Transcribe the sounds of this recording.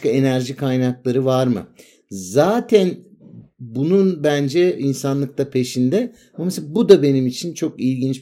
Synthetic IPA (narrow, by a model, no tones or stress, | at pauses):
kae̞næɾʒikʰajnaklˠaɾɯvaɾmɯ̰ | zaːt̪ʰæn | bununbænd͡ʒɛinsanlˠɯk̚t̪apʰe̞ʃind̪ɛ | mamesabud̪abe̞nimit͡ʃʰint͡ʃʰo̞kilʲɟint͡ʃ